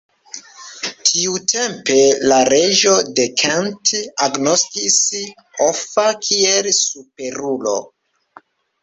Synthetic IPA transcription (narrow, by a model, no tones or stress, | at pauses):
tʰiutʰe̞mpe̞laɾe̞ʒo̞dekʰantaɡno̞skis | ofakʰielsupe̞ɾulo̞̰